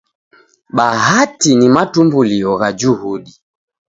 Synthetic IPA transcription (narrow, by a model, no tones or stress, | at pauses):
ɓaɦatinimatumbuliɔɣad͡ʒuhuɗi